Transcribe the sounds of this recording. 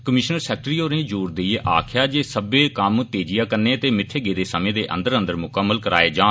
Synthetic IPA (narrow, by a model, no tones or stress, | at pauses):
kəmɪʃnəɾsɛːk̚ʈəɾiːoːɾnẽːd͡ʒuːɾd̪eiːʔa̰ːkʰjaːd͡ʒeːsəbeːkəmt̪eːd͡ʒɪjaːkəɾneːt̪eːmɪt̪ʰːeːɡeːd̪eːsəmẽːd̪eːʔə̰nd̪əɾə̃nd̪əɾmʊkəmːəlkəɾa̰ːeːd͡ʒãː